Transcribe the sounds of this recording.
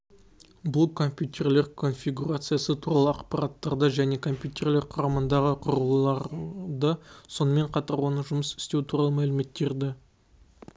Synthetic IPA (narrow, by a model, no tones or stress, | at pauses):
bʊlˠkʰo̞mpʲjut̪ʰe̞rle̞ɾkʰo̞nfʲiɡuɾat̪sɨjasət̪ʰuɾɑlˠəɑqpɑɾɑt̪ːɑɾd̪əʒæne̞kʰo̞mpʲjut̪e̞rle̞ɾqʰʊɾɑmənd̪ɑʁəqʰʊɾəlˠɑɾd̪əso̞nəme̞ɴqʰɑt̪ɑɾwo̞nəʒʊməsɪ̥st̪e̞wt̪ʰuɾɑlˠəmælɪme̞t̪ːe̞ɾd̪ɪ